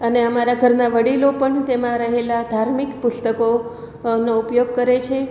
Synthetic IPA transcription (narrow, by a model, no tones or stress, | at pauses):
əneəmaɾaɡʱəɾnaʋəɽilopəɳt̪emãɾəɦelad̪ʱaɾmikpʊst̪əko | noupjoɡ̚kəɾet͡ʃʰe